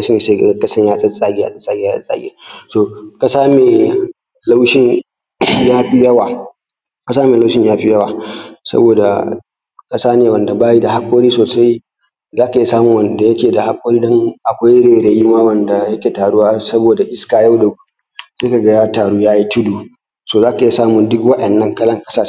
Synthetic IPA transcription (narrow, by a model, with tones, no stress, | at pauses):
sɐ˦n˨se˦kɐ˦sɐ˦ɲjaː˦sʼɐ˦sʼaː˦ɡʲɪ˦ja̰˦sʼɐ˦sʼaː˦ɡʲa˦sɐ̰˦sʼa̰ː˦ɡʲḛ˦soː˨ka˨saː˦meː˨ | la˦wʃɪ˦ŋ | jaː˦ɸi˦jɐ˦waː˨ | ka˨saː˦meː˨la˦wʃɪ˦ɲjaː˦ɸi˦jɐ˦waː˨sɐ̰˦boː˨da̰˨ | kʼɐ˦saː˦neː˨wɐ˨nda˨baː˦ji˦da˨ha˦kʷʼoː˦ɾiː˦soː˨sa˦j | zaː˦ka˨i˦saː˦mʊ˨wɐ˨nda˨jɐ˦kʲeː˨da˨ha˦kʷʼoː˦ɾiː˦dɔ˦ŋʔa˨kʷa˦jɽeː˨ɽeː˨ji˦ma˦wɐ˨nda˨jɐ˦kʲeː˨taː˨ɽʊ˦waː˦sɐ˦boː˨da˨ʔɪ˦skaː˨ja˦wdɐ˨ɡu˦ | seː˦ka˨ɡa˦jtaː˨ɽuː˦jaː˦ji˦tʊ˦duː˨ | soː˨zaː˦ka˨˦˨saː˦mʊ˨ndʊ˦kwɐ˦ɗɐ˨nːɐ˦ŋkɐ˦lɐ˦ŋkʼɐ˦saː˦